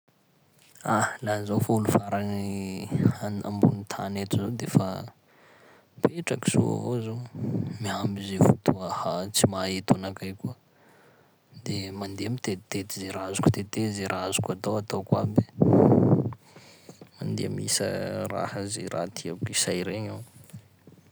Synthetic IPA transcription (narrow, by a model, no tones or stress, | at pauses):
alazafulufaɾani | ana̰mbunit̪ʰanet̪uzod̪efa̰ | peʈ͡ʂaki̥sṵa̰vozomiambizefut̪ʰuəhat͡simaet̪anakajkuə | d̪emand̪eamit̪et̪et̪izeɾazu̥ku̥t̪et̪ezeɾʔazu̥kat̪awat̪awkwa̰be̥ | mand̪ḛamḭsə̰ra̰hazḛɾa̰t̪ʰiabkisajɾeɲaw